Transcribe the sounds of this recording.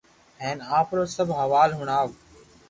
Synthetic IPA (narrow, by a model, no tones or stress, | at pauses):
ɦeːnaːpɾoːsəbʱɦəʋaːlɦʊɳaːʋ